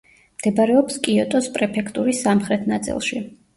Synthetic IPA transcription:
md̪̥ɛbaɾɛɔpskʼiɔt̪ʼɔspʼɾɛpʰɛkʰt̪ʼuɾisːamχɾɛt̪ʰnat̪sʼḭlˠʃi

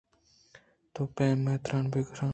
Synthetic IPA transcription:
t̪oːpẽːmet̪ɾãːnbeɡɾãː

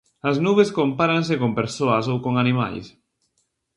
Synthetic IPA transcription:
aznuβeskompaɾans̬ekompeɾsoasowkoŋanima̰ʎs

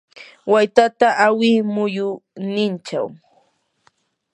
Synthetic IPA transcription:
wajt̪at̪aʔawɪmʊjʊnɪnt͡ʃa̰w

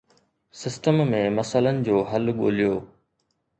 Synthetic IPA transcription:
sɪsʈəmːẽmɐsələnɪ̆d͡ʑoːɦɐlɠo̰ːlijoː

